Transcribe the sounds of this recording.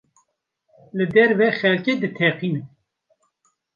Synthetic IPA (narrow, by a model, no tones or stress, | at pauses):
lɨd̪ɛɾvɛxɛlced̪ɨt̪ʰɛqin